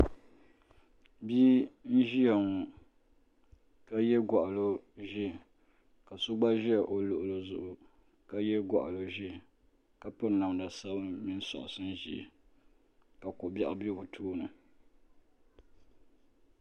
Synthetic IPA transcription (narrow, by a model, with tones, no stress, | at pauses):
biː˦n̩˦ʒi˦ja˨ŋɔ˨ | ka˦jɛ˦ɡɔ˨ʔa˨lo˦ʒi˦˨ | ka˨sʊ˦ɡ͡ba˦ʒi˦a˨ʔo˨lʊ˨ʔʊ˨lo˨zʊ˨ʔʊ˨ | ka˦jɛ˦ɡɔ̰˨ʔa̰˨lo˨ʒi˦ | ka˦pʊ˦ɾna˨m˨da˨sa˦bɨ˦mi˦n˦sɔ̰˨ʔʊ̰˨sɨ˦n̩˦ʒi˨ | ka˨kʊ˨ba˦ʔa˦bi˦bʊ˨tʰuː˦nɨ˨